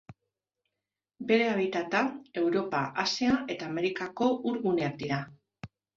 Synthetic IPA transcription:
be̞ɾe̞aβ̞it̪at̪ae̞wɾo̞paʔasiaʔe̞t̪aːme̞ɾikako̞ʔuɾɣune̞ak̚d̪iɾa

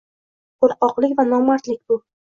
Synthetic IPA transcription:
qoɾqɒqlˠɪkʲvanɒmaɾt̪lɪk̚ʲbʊ

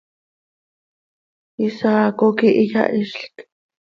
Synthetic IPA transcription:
isakokiʔija̰ʔiʃɬk

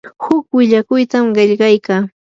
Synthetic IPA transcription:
hʊkwɪʎakʊjt̪amɢeʎɢɑjkaː

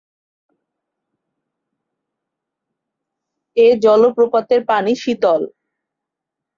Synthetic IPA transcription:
ed͡ʑɔlopɾopat̪eɾpaniʃit̪ɔl

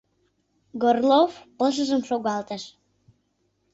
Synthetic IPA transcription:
ɡorlofpəʃ̬əʒəmʃoɣɑlt̪əʃ

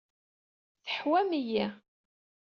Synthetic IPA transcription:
θəħwæmijæ

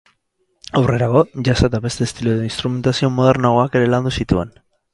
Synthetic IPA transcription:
awre̞ɾaɣo̞ʝasat̪aβe̞st̪est̪iluðeinst̪ɾume̞nt̪asio̞mo̞ð̞e̞ɾnaɣoake̞ɾe̞land̪usit̪ue̞̰n

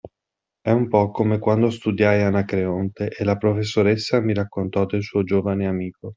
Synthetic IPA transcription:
ɛumpɔkːomekwand̪ost̪ud̪jajanakɾeont̪eʔelapɾofesːoɾesːamiɾakːont̪ɔd̪elsuːod͡ʒoːvaneamiːko

